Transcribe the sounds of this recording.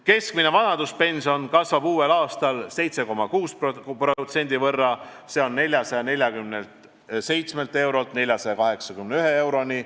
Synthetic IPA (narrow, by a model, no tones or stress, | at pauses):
ke̞skmine̞vɑnɑd̪̥uspe̞nʲsio̞nkɑsvɑbuːe̞lɑːst̪ɑlse̞jt̪se̞ko̞mɑkuːsppro̞t̪se̞nʲd̪̥ivɤrːɑ | se̞o̞nːe̞lʲjɑsɑjɑnelʲjɑɡymnelt̪ | se̞jt̪sme̞lt̪ːˑe̞wɾo̞lt̪ne̞lʲjɑsɑjɑkɑɦe̞ksɑkymneyɦe̞e̞wɾo̞ni